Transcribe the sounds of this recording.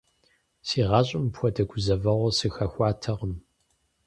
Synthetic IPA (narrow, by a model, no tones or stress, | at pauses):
siːʁɑɕʼɪmpxʷɔdɐɡʷʊzɐvɐʁʷɔsɨxɐxʷɑːtʰɐʁəm